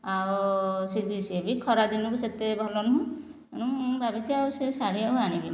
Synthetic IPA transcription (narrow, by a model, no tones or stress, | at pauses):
awsidisiebikʰɔɾad̪inukuset̪ebʱɔlɔnɔɦũ | ñũbabit͡ʃiawsesaɽ̤iawanibi